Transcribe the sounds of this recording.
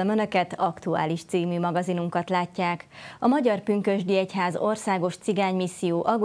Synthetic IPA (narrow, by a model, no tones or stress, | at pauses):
ɒmønø̞kɛt̪ɒkt̪ua̰ːliʃt̪siːmyːmɒɡɒzinuŋkɒt̪laːcːaːkɒmɒɟɒrpyŋkø̞ʒd̪iɛcɦaːzo̞rsaːɡo̞ʃt̪siɡaːɲmisːijoːʔɒɡu